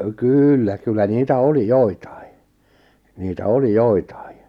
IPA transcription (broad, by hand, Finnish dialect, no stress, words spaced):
kyːlːæ kylːæ niːtæ oli joitɑ̥i̥ niːtæ oli joitɑ̥i